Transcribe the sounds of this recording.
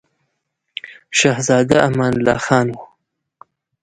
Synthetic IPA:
ʃɑhzɑːd̪aamɑːnlɑ̰ːxɑːnwu

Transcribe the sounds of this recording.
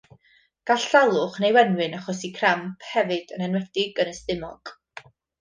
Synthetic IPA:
ɡ̥aɬalˠʊχnejwɛnwɨnaχɔsikʰrampʰhɛvɨd̥ənɛnwɛd̥ɪɡənəstɪmɔ̰ɡ̥

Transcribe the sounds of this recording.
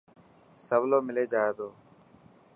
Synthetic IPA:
səʋloːmɪleːd͡ʒaːeːt̪oː

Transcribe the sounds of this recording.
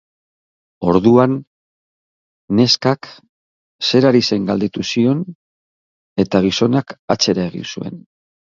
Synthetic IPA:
o̞ɾðuan | e̞skak | se̞ɾaɾise̞ŋɡald̪et̪usio̞n | e̞t̪aɣ̞iso̞nakat͡se̞ɾae̞ɣḭnsue̞̰n

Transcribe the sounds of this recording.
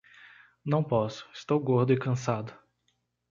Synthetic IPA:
nɐ̃w̃pɔsʊ̥ɪst̪owɡoɾd̪ʊɪkɐ̃sad̪ʊ

